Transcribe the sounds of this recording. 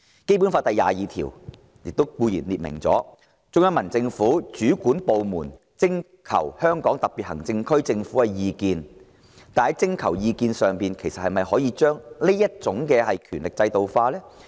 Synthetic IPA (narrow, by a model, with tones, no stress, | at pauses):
ke˥p̬u˨˥nfaː˧˥t̪ɐ˨jːa̰ː˨jiː˨t̪ʰḭː˨˩w | jɪ˨k̚t̪o˥wkuː˧jiː˨˩nliː˨t̚mɪ̰˨˩ŋt͡sɔ̰ː˨˥ | t͡sʊ˧˥ŋjɐ˥ŋmɐ˨˩nt͡sɪ˧ŋfu˨˥t͡ʃyː˨˥kuː˨˥npo˨wmuː˨˩n | t͡sɪ˥ŋ | kʰɐ̰˨˩whœː˥ŋkɔː˨˥ŋt̪ɐ˨k̚pi˨t̚hɐ̰˨˩ŋt͡sɪ˧ŋkʰɵ˥ɥt͡sɪ˧ŋfu˨˥kɛ˧jiː˨˧kiː˧n | t̪aː˨nhɐ˨˥jt͡sɪ˥˧ŋkʰɐ˨˩wjiː˧kiː˧nsœː˨˩ŋpiː˨nkʰe˨˩jsɐ˨t̚hɐ˨jmɐ˨˩jhɔː˨˥jiː˨˧t͡ʃœː˥ŋli˥jɐ˥t̚t͡sʊ˨˥ŋkɛː˧hɐ˨jkʰyː˨˩nlɪ˨k̚t͡sɐ˧jt̪o˨wfaː˧lɛː˥